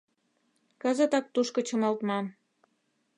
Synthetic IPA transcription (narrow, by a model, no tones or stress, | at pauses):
kə̆zə̆t̪ɑk̚t̪uʃkə̆t͡ɕə̆mɑlt̪mɑn